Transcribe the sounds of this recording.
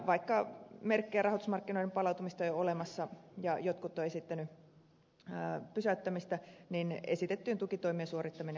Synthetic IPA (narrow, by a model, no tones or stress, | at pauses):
ʋɑikːɑmerkːejærɑhot̪usmɑrkːinoidempɑlɑˑut̪umist̪ɑjoolemɑsːɑjɑjot̪kut̪ːoesit̪ːæny | pysæyt̪ːæmist̪æninesit̪et̪ːyːnt̪ukit̪oimiesuorit̪ːɑmine